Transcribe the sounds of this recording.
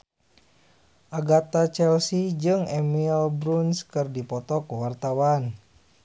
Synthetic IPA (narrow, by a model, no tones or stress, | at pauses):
ʔaɡat̪at͡ʃɛlsid͡ʒɨŋɛmilbɾunskɨrdipɔt̪ɔkuwart̪awan